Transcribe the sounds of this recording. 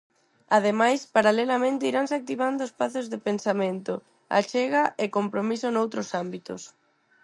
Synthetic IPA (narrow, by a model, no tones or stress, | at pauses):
að̞emajspaɾalelamẽnt̪ɪiɾans̬ak̚t̪iβand̪ʊespaθʊzðɪpensamẽnt̪ʊ | a̰t͡ʃɛɣaʔekompɾomisonowt̪ɾʊsambit̪ʊ̰s